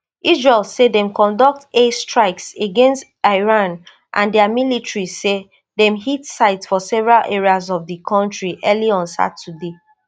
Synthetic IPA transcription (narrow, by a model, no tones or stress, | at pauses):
ʔizɹelsedɛ̃mkɔ̃ndɔk̚testɹaɪkseɡɛ̃nst | aɪɹãn | ʔã̰ndɛamilitɹise | dɛ̃mhitsaɪtsfɔsɛvɛɹalʔeɹiazɔvdikʰɔ̃ntɹiʔɛliɔ̃nsa̰tude